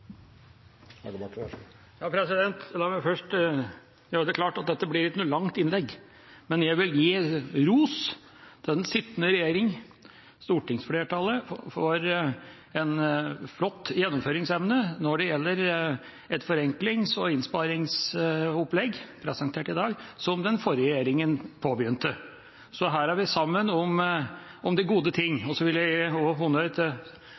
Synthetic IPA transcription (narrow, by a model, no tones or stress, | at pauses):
jɑːpʰɾɛsɪd̪ɛnt̪d̪ɑmɛfœʂʈ | jæd̪ɛklɑːʈɑt̪̚d̪ɛt̪ːəblɪɾɪt̪nuːlɑŋt̪ɪnlɛɡː | mɛnjæɡʋɪljiːɾuːs | d̪̥ɛnsɪt̪ːənəɾɛjeːɾɪŋ | st̪uːʈɪŋsfleːʈʰɑlːəfɔɾ | ɛnflɔt̪ːjɛnːɔmføːɾɪŋsɛmnənɔɖɛjɛlːəɾ | ɛt̪fɔɾɛŋklɪŋsɔɪnspɑɾɪŋsɔplɛɡpʰɾɛsɑŋt̪ʰeːʈɪd̪ɑːɡsɔmd̪ɛnfɔɾəɾjeːɾɪŋənpʰoːbjʏnt̪ə | sɔɦæːɾæɾʋɪsɑmːənɔm | ɔmd̪ɪɡuːd̪ət̪ʰɪŋːɔsɔʋɪljæɔɦʊnœʏt̪ʰ